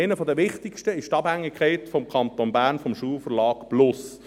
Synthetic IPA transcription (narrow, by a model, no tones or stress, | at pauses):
ɪnəfɔdəʋɪχtɪkʃtəɪʃtɑb̥hæŋːikʰɛɪtfɔmkʰɑnt̪onbæːɾnfɔmʃuːlfəɾlɑːkb̥lʊs